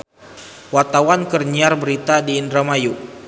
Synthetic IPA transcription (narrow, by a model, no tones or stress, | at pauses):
wart̪awankərɲiarbəɾit̪adiːndɾamaju